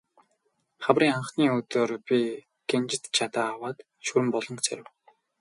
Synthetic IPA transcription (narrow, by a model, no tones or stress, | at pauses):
χawriːŋaɴχniːɵt̪oːrpʲi | ɡ̥ent͡ɕɪ̆t̪t͡ɕʰat̪aːwaːt̪ | ʃɵɾɘ̆mpɔɮɞ̆ŋkt͡sʰœ̰ɾʲɪ̆w